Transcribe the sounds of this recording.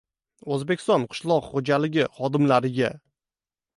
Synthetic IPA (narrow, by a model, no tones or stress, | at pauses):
ozbekʲʰɪst̪ɒnqʰɨ̥ʃlˠɒqχod͡ʒalɪɡʲɪχɒd̪ɪmlaɾɪɡʲa